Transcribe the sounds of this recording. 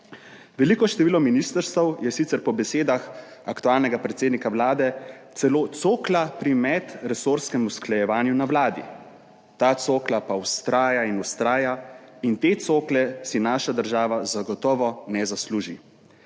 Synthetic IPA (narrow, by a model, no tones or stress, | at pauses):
ʋɛliːkɔʃt̪ɛʋiːlɔminist̪əɾst̪əwjɛsit̪sɛɾpɔbɛseːd̪ax | akt̪uaːlnɛɡapɾɛt̪seːd̪nikawlaːd̪ɛt̪sɛloːt̪soːklapɾimɛt̪ɾɛsoːɾskɛmusklajɛʋaːnjunawlaːd̪ḭ | t̪aːt̪soːklapawst̪ɾaːjainust̪ɾaːjaint̪eːt̪soːklɛsinaːʃad̪əɾʒaːʋazaɡɔt̪ɔːʋɔnɛzasluːʒi